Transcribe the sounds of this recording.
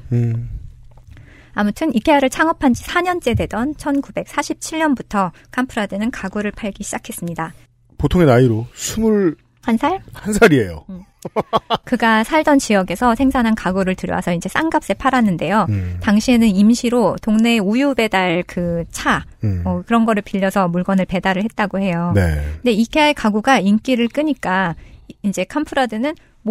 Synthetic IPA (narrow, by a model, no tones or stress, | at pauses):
amutʰɯnik͈ʰeaɾɯɭt͡ɕʰaŋʌpʰand͡ʑisʰaɲʌnt͡ɕ͈e̞dwe̞dʌnt͡ɕʰʌnkube̞k̚s͈aɕʰip̚t͡ɕʰiʎɲʌnbutʰʌ | kʰampʰɯɾadenɯnkaɡoɾɯɭpʰaɭɡiɕʰid͡ʑakʰe̞s͈ɯmɲida | potʰoŋenaiɾosʰumuɭ | hansʰaɭhansʰaɾiejo̰ | kɯɡasʰaɭdʌnt͡ɕijʌɡe̞sʰʌsʰe̞ŋsʰanɦankaɡuɾɯɭtɯɾjʌ̰wa̰sʰʌind͡ʑe̞s͈aŋɡap̚s͈e̞pʰaɾanːɯnde̞jotaŋɕʰie̞nɯnimɕʰiɾotoŋne̞ːojube̞daɭkɯt͡ɕʰamʌkɯɾʌnɡʌɾɯɭpiʎːʌsʰʌmuɭɡwʌnɯɭpe̞daɾɯɭɦe̞t̚t͈aɡohe̞jonende̞ikʰeaɭkaɡuɡaink͈iɾɯɭk͈ɯɲik͈aind͡ʑe̞kʰʌmpʰɯɾadɯnɯn | m